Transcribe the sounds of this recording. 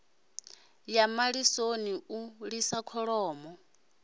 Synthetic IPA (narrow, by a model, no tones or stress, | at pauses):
jamaɺisoniuɺisakʰɔɺɔːmɔ